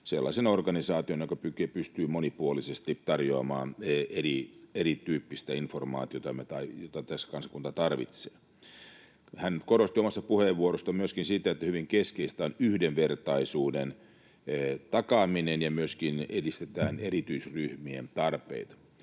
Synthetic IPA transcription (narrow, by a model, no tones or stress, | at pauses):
selːɑ̰isenorɡɑnisɑːt̪ionjokɑpykepyst̪yːmonipuolisest̪it̪ɑrjoɑmɑ̰ːneɾieɾit̪yːpːist̪æinformɑ̰ːt̪iot̪ɑmet̪ɑijot̪ɑt̪æsːæ̥kɑnsɑ̥kunt̪ɑt̪ɑrʋḭt̪seː | hænkoɾost̪iomɑst̪ɑpuheʋʋːuoɾost̪ɑmyøskinsit̪æet̪ːæhyʋiŋkeskeist̪æːnyhdenʋert̪ɑisuːdenː | t̪ɑkɑminenjɑmyøskinedist̪et̪æːnerit̪yisryhmient̪ɑrpḛit̪ɑ̥